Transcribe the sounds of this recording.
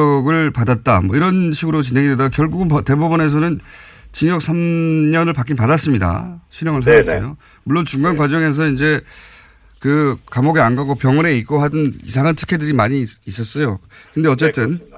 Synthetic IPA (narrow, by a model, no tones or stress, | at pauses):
ʌɡɯɭpadat̚t͈a̰mwʌiɾʌnɕʰiɡɯɾot͡ɕinɦe̞ŋidwedaɡkjʌɭɡuɡɯnpʌte̞bobʌne̞s̬ʰʌnɯn | t͡ɕiɲʌk̚sʰamɲʌnɯɭpak͈inpadas͈ɯmɲida̰ɕʰiɾjʌŋɯɭs̬ʰaasʌ̰jo̰ | muɭːont͡ɕuŋɡanɡwad͡ʑʌŋe̞s̬ʰʌind͡ʑe̞ | kɯkamoɡeanɡaɡopjʌŋʌɾe̞ik͈oɦadɯnḭsʰaŋantʰɯ̥kʰedɯɾimaɲiːs͈ʌs͈ʌjokɯnde̞ʌt͡ɕ͈e̞t͈ɯn